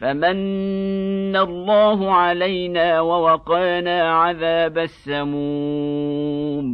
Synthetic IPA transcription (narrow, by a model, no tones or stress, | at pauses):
famanː | alˤːɑːɦʊʕalajnaːwawɑqɑːnaːʕaðaːbasːamuː | m